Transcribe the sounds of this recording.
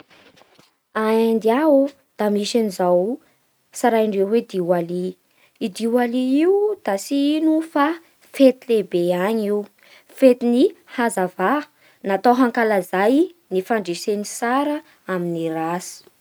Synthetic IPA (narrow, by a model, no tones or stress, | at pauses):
aand̪iau | d̪̥amiʃanizaw | saɾajiɳɖ͡ʐewwed̪iwali | id̪iwaliiwud̪̥asiinufa | fet̪ilebeaɲiu | fet̪inihazava | nat̪awɦaŋkalazajnifaɳɖ͡ʐesenisaɾə | aminirasi̥